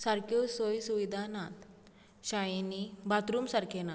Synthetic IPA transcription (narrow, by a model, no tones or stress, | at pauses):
saɾkosojsuʋid̪ʱanat̪ | ɕajinibat̪ɾuːmsaɾkʰena